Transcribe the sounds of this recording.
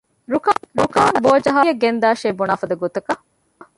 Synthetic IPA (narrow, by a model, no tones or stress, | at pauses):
ɾukɾukaːnboːd͡ʒɐɦaːjɐɡend̪aːʃeːbunaːfɐd̪ɐɡot̪ɐkɐ